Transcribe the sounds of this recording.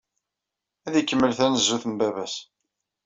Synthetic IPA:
æðjəkːəmːəlθænəzːuθəmbæβæs

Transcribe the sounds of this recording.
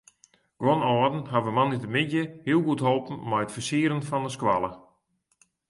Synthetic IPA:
ɡ̥wɔnɔədn̩ɦavəmanitəmɪdjəhiəlˠɡutɦoːlˠpn̩mɛjətfərsiəɾənfɔndəskwa̰lˠə

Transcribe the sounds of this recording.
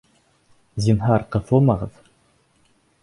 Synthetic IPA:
zʲinɦɑɾqɤ̆θomɑʁɤ̰ð̥

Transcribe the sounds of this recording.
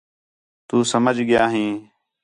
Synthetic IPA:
t̪uːsəməd͡ʒʱɠɪjaːɦĩː

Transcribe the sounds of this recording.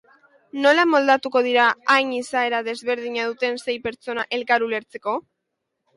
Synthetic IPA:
no̞lamo̞ld̪at̪uko̞ð̞iɾaːjɲisae̞ɾaðe̞zβe̞ɾð̞iɲað̞ut̪e̞nse̞jpe̞ɾt͡so̞naʔe̞lkaɾule̞ɾt͡se̞ko̞

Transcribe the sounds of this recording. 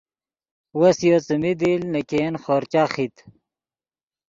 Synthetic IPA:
wɐsjot͡səmid̪ilnɐkeːnχoːɾt͡ɕaχit̪

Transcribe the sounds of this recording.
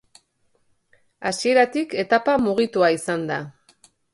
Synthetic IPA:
asie̞ɾat̪ike̞t̪apamuɣ̞it̪uaisand̪a

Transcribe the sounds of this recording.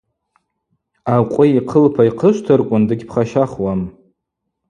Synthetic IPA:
aqʷʼʊiqʰəlpʰaiqʰəʃʷtʰɨrkʷʼʊndɨɡʲpʰχaʃaχwam

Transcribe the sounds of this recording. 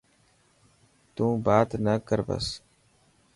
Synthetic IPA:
t̪ũːbaːt̪nəkəɾbə̰s

